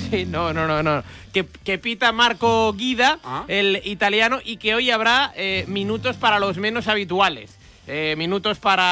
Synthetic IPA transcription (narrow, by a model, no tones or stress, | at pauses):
sinonononokeke̞pit̪amaɾkoɣiðaelit̪aljanoʔikeo̞jaβ̞ɾaemĩnut̪o̞spaɾalo̞zmẽ̞nosaβ̞it̪uale̞̰s | emĩnut̪o̞spaɾa